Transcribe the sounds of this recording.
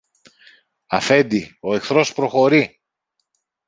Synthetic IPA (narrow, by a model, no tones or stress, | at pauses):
ɐfe̞nd̪io̞e̞kθɾo̞spɾo̞xo̞ɾi